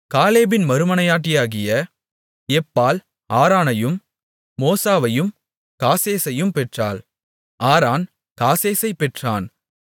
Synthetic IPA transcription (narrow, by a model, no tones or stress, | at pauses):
kaːleːbɪnmɐɾɯmɐnɐjaːʈ̬ːɪjaːɣɪjɐ | ɛpːaːl | aːɾaːnɐjɯmː | oːsaːʋɐjɯm | kaːseːsɐjɯmpɛʈra̰ːl | aːɾaːn | kaːseːsɐɪpɛʈraːn